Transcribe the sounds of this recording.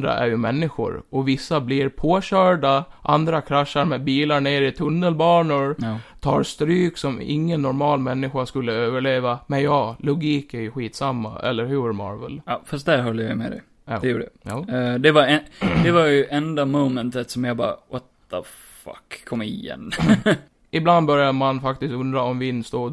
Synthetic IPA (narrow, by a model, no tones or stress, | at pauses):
d̪ɾa̰ʔæ̰ɾjɵmɛnːɪɧʊ̰ɾɔvɪsːabliɾpʰoːɕœːɖaʔand̪ɾakʰɾaʂːaɾmeːbiːlaɾɳeːɾɪt̪ʰɵnːəlbɑːɳʊɾt̪ʰɑːɾst̪ɾyːksɔmɪ̰ŋːənːɔɾmɑːlmɛnːɪɧaskɵlːəøːvəɭeːvamɛnjɑːlʊɡiːkæɾjɵɧiːt̪samːa̰ɛ̰lːəɾɦʉmɑ̰ɾvə̰lɑfast̪̚d̪æɾɦɔlːəja̰jmɛ̰d̪ɛ̰ | ɛjuːə̰ɛd̪ɛvaɾɛd̪ɛvaɾjɵʔɛnd̪amoːmənt̪ət̪sɔmjɑbɑ̰ːɾa̰ʔot̪ːa | fa̰kʰːɔmːɪjɛ̰n | ɪbland̪bœɾjamanfak̚t̪ɪst̪ɵnd̪ɾaɔmvɪnːst̪oː